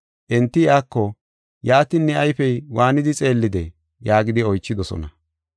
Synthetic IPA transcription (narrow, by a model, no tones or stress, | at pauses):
ʔɛnt̪ːɪjaːkːɔ | jaːt̪ɪnːɛɐjfɛjwaːnɪd̪ɪt͡sʼe̞ːlːɪd̪ɛ̰ | jaːɡɪd̪ɪɔjt͡ʃːɪd̪ɔsɔ̰nɐ